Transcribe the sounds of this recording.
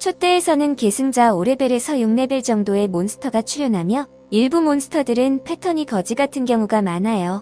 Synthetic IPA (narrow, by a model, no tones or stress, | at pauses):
t͡ɕʰot͈e̞ːsʰʌnɯnke̞sʰɯŋd͡ʑaoɾe̞beɾe̞sʰʌjuŋne̞beɭt͡ɕʌŋdoe̞monsʰɯ̥tʰʌɡat͡ɕʰuɾjonɦamjʌ | iɭbumonsʰɯ̥tʰʌdɯɾɯnpʰe̞tʰʌɲikʌd͡ʑiɡatʰɯnkjʌŋuɡamanajo